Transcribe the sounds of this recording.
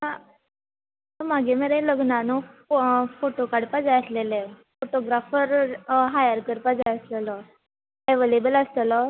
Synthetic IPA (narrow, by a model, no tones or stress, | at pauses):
ã | əmaɡemeɾeləɡnano | foʈokaɽpad͡zajəslelefoʈoɡɾafəɾɦajəɾkəɾpad͡zajəslələ | eʋelebəlast̪əlɔ